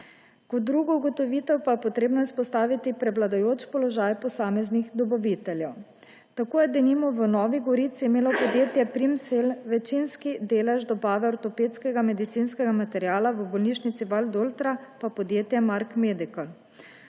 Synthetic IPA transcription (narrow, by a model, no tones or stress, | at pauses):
kɔt̪̚d̪ːɾuɡɔuɡɔt̪ɔʋit̪ɛwpajɛpɔt̪ɾeːbnɔispɔst̪aːʋit̪ipɾɛʋlad̪ajoːt͡ʃpɔlɔʒajpɔsaːmɛznixd̪ɔbaʋit̪ɛljɛw | t̪akoːjɛd̪ɛnimɔʋənɔːʋiɡɔɾit̪siːmeːlɔpɔd̪jeːt̪jɛpɾimselʋɛt͡ʃinskid̪eːlɛʒd̪ɔbaːʋɛɔɾt̪ɔpeːt̪skɛɡamɛd̪it̪sinskɛɡamat̪ɛɾjaːlaʋəbɔlniʃnit̪siʋald̪olt̪ɾapapɔd̪jeːt̪jɛmaɾkmed̪ikɔl